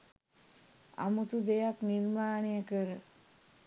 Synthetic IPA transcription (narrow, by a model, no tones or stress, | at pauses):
a̰mut̪ud̪ejakniɾmaːnejəkəɾə